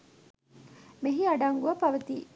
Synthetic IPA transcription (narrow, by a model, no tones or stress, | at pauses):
meɦiɐɖaŋɡuʋɐpɐʋɐt̪iː